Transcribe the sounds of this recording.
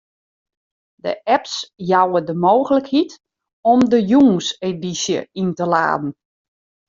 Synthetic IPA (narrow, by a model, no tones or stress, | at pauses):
də̰ʔɛpsjawədəmoːxələkhit | ɔmdəjuːsedisjə̰intəla̰ːdn̩